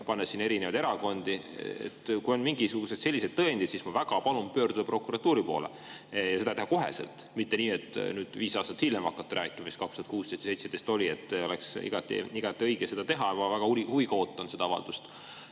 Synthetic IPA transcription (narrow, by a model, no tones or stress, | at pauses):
pɑnːesineɾinevɑjd̪eɾɑko̞nd̪iḛt̪kujo̞nmiŋɡisuɡ̥use̞d̪se̞lːised̪̥̚t̪ɤend̪it̪sismɑvæɡ̥ɑpɑlumpø̞ːrd̪ud̪ɑpro̞kːˑuɾɑt̪ːuːɾipo̞̰ːlḛ | jɑse̞d̪ɑt̪ehɑko̞ɦe̞̰sḛlt̪ˑmit̪ːe̞niːet̪ːˑnyːd̪̥viːsɑːst̪ɑt̪hilːemɑkːˑɑt̪ːeɾʔæ̰ːkːˑimɑist̪kɑkst̪uɑt̪kuːst̪ejst̪se̞jt̪sed̪est̪o̞lʲie̞t̪ːo̞leksḭɡ̥ɑt̪ːˑḭiɡ̥ɑt̪ːˑiɤjɡ̥ese̞d̪ɑt̪e̞ɦɑmɑvæɡ̥ɑuihuviɡɑo̞ːt̪ˑːɑnse̞d̪̥ɑɑvɑ̰ld̪̥ust̪